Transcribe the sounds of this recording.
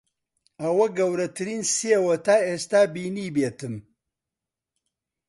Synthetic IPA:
ɐwɐɡɐwɾɐt̪ʰɨɾiːnsewɐt̪aːeːst̪aːbiːniːbeːt̪ɨm

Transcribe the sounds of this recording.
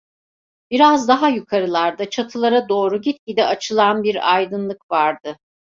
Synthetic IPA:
b̥iɾazd̪aɦajykʰaɾɯlˠaɾd̪at͡ʃʰat̪ʰɯlˠaɾad̪o̞ːɾuɟit̪̚cid̪ɛat͡ʃʰɯlˠanbiɾajd̪ɯnlˠɯkvaɾd̪ɯ

